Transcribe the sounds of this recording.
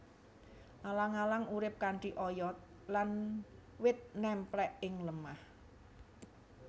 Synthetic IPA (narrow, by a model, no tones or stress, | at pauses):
ʔalaŋalaŋuɾɪp̚kaɳʈiʔɔjɔt̪̚ | lanwɪt̪̚nɛmplɛʔɪŋləmah